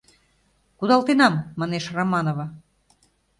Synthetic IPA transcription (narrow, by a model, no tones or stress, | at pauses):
kud̪ɑlˠt̪enɑmːɑneʃromɑnovɑ